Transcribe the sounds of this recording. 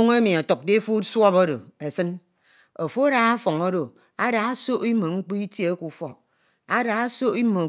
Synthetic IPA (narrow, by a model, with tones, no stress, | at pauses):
o˦ŋe˦mi˨a˨to˨k̚de˦fo˦swɔ˦po˦ɾo̰˨e˨sɨ˦n | o˨fo˦a˦ɾa˨˦a˦fɔ˨ŋo˦ɾo˨ | a˦ɾa˨a˦so˦ʔi˦mo˨ŋ͡m̩˦k͡pi˦i˦tje˦e˦ku˨fɔ˨ | a˦da˨a˦so˦i˦mo˨